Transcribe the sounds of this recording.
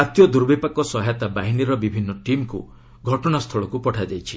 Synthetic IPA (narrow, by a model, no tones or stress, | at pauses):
at̪jɔd̪uɾbipakɔsɔɦajt̪abaɦiniɾɔbibʱinːɔʈimkṵ | ɡʱɔʈɔɽ̃ast̪ʰɔɭɔkupɔʈʰad͡ʒajt͡ʃʰi̥